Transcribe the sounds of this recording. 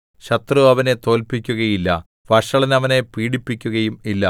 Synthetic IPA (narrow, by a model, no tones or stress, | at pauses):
ɕɐt̪rɨɐʋɐne̞t̪o̞ːlpikʲːuɣɐjilːɐ̰ | ʋɐʂɐɭɐnɐʋɐne̞piːɽipːikʲːuɣɐjumilːɐ